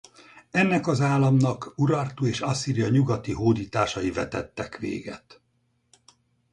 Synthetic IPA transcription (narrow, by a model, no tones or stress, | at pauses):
ɛnːɛkɒzaːlːɒmnɒkuɾɒrt̪ueːʃɒsiːɾijɒɲuɡɒt̪iɦoːd̪iːt̪aːʃɒjivɛt̪ɛt̪ːɛkʋḛːɡɛt̪